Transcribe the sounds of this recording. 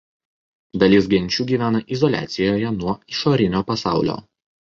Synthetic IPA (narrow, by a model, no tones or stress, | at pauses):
d̪ɐlʲɪsɡʲɛnʲt͡ʃʲuːɡʲiːʋʲæːnɐʔɪzɔlʲæ̰ːt̪sʲɪjoːjɛnuɔɪʃoːɾʲɪnʲoːpɐsɑˑʊlʲo̰ː